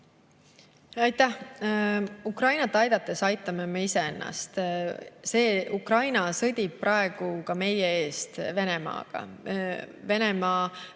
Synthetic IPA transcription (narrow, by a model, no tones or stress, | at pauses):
ɑjt̪ːæh | ukrɑjnɑt̪ːˑɑjd̪̥ɑt̪ˑːe̞sɑjt̪ˑːɑmemeise̞enːɑ̰st̪se̞ːʔukrɑjnɑsɤd̪ʲib̚prɑe̞ɡ̥ukɑme̞jee̞ːst̪ve̞ne̞mɑ̰ːɡ̥ɑ̰ | ve̞ne̞mɑː